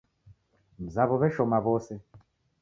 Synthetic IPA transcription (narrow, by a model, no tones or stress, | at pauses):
m̩zaβɔβɛʃɔmaβɔsɛ